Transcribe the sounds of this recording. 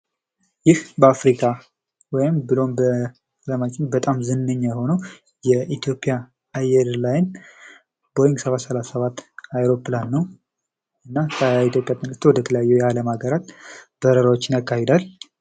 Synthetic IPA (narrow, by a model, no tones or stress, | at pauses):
jɪhbəafɾikʼa | wɔjɪmbɨlo̞mbə | ləmat͡ʃʼɪɲbət̪ʼamzɨnːəɲːajho̞nəw | jɛʔit̪ʰjo̞pʼja | ajɛɾlajɪn | bo̞jɪŋɡsəβat̪səlasəβat̪ːajɾo̞pːlanːəw | ɨnːakʰəit̪jo̞pʼjat̪ʰʼɨnɡɨst̪wɔd̪ət̪ʰələjajːɛjɛaləmaɡəɾat̪bəɾəɾawot͡ʃːɪnjakːahed̪al